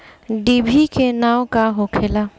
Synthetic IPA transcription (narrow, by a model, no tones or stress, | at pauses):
ɖibʱikenawkaɦokʰela